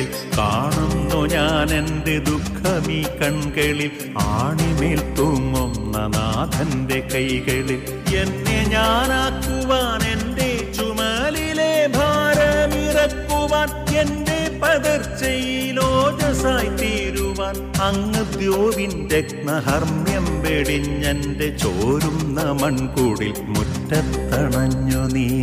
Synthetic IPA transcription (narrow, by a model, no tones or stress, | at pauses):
kaːɳunːoɲaːnend̪ed̪ukʰːɐmiːkːɐɳkeɭil | aːɳimeːlt̪oːmomnɐ̰naːd̪ʱɐnd̪ekɐjkeɭil | enːeɲaːnaːkːuʋaːnendet͡ɕumɐlilebʱaːɾɐmirɐkːuʋaːnende̞pɐd̪ɐrt͡ɕːɐjiloːd͡ʑɐsaːjt̪iɾuʋaːn | ɐŋːɐd̪joːʋindeknɐɦɐrmjɐmbeɽinɲɐndet͡ɕoːɾumnɐmɐɳkoːɽil | mutːɐt̪ːɐɳɐɲːoni